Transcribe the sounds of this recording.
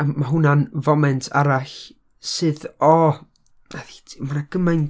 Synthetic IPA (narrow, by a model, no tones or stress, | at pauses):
maɦʊnanvɔmɛntʰa̰ɾaɬ | sɨːðɔ | naðitʰmanaɡ̥əmajn